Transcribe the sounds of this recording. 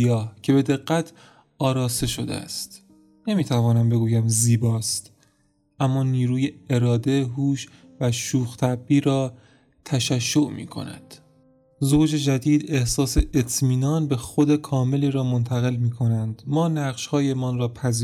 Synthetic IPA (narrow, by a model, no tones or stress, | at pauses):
jɒːhcʰe̞be̞d̪e̞ɣːæt̪ʰ | ɒːɾɒːse̞ʃo̞d̪ḛæ̰st̪ | ne̞miːt̪ʰævɒːnæmbe̞ɡuːjæmziːbɒːst̪ | ʔæmːɒːniːɾuːje̞eɾɒːd̪eɦuːʃ | væʃuːxt̪ʰæbːiːɾɒː | t̪ʰæʃæʃːo̞ʔmḭːkʰo̰næ̰d̪̥ | zoːd͡ʒe̞d͡ʒæd̪iːd̪e̞hsɒːseʔet̪ʰmiːnɒːnbe̞xod̪ekʰɒːme̞liːɾɒːmo̞nt̪ʰæɣe̞lmiːkʰo̞nænd̪mɒːnæʁʃhɒːjemɒnrɒːpʰæzi